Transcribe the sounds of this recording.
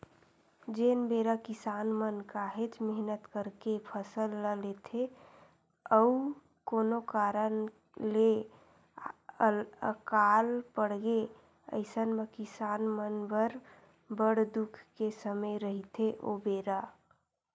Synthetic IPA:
d͡ʒenbeɾakɪsaːnmənkaɦed͡ʒmɪɦnət̪kəɾkepʰəsəlːəlet̪ʰe | əu | koːnokaɾən | le | əkalpəɽɡe | ə̰ɪsənməkɪsanmənbəɾ | bəɽd̪ukʰkesəməjɾəɦit̪ʰeʔobeːɾa

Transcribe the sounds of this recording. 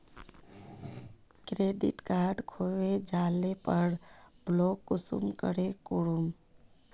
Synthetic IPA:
kɾeɖḭʈkaɾɖkʰoʋed͡ʒalepəɽblokːusṵmkə̰ɾekuɽum

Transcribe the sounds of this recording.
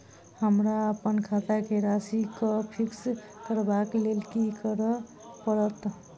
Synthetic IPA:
həmɾaəpənkʰat̪akeɾasikəpʰiks | kəɾbaklelkikəɾ | pəɾət̪

